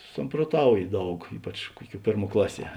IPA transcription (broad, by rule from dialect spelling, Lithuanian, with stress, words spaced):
sɐmproːˈtɐʊjɪ ˈdɐʊk ˈiːpɐt͡ʃ ˈkuɔˌkʲuɔ ˈpʲeːrˌmuɔ ˈklˠɑːˌsʲiɛ